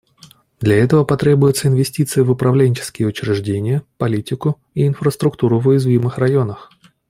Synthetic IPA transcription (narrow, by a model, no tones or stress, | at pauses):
d̪lʲɐɛt̪əvəpɐt̪ɾʲe̞bʊjʊt̪səɪnvʲɪsʲtʲit̪sɨjɪvʊpɾɐvlʲenʲt͡ɕɪ̥skʲɪjəʊt͡ɕɾʲɪʐdʲenʲɪjəpɐlʲitʲɪkʊ | iɪnfɾəst̪ɾʊkt̪uɾʊvʊjɪzvʲimɨxrɐjo̞nəx